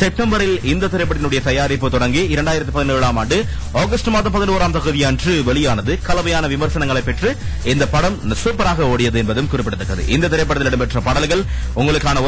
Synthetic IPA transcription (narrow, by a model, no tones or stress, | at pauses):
sɛp̚ʈːɐmbɐɾɪlɪnd̪ɐt̪ːɪɾɐɪp̬ːɐʈ̪ːɪnɯɽɐjɐt̪ɐjaːɾipːɯt̪ɔɽɐŋɡiɪɾɐɳɖaːjɪɾɐt̪ːipɐðɪneːɻaːmaːɳɖɯ | oːɣɐsʈɐmaːðɐmpɐðɪnuːɾaːmt̪ɐɣɯðɪjandrɯʋɛɭɪjaːnɐðɯkɐlɐʋɐjaːnɐʋɪmɐɾsɐnɐŋɡɐɭɐɪpːɛʈrɯɪnd̪ɐpɐɽɐmnɐsɯpːɐɾaːɣɐoːɽɪjɐðɯɛnbɐðɯmkʊrɪpːɪɽɯt̪ːɐkːɐðɯ̰ʔɪnd̪ɐt̪ɪɾɐɪp̬ːɐʈɐt̪ɪnɐɽɯmpɛʈrɐpɐɽɐlɣɐɭ | ʊŋɡɐɭɯkːaːnɐ